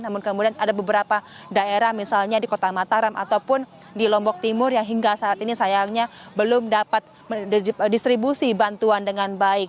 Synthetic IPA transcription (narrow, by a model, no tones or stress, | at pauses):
namʊnkəmudianadabəbəɾapa | daeɾahmisalɲadikot̪amat̪aɾama̰t̪awpʊn | dilɔmbɔk̚t̪imʊrjaŋɦiŋɡasaːt̪inisajaŋɲabəlʊmdapat̪̚ | mədist̪ɾibusibant̪uandəŋanbaɪk̚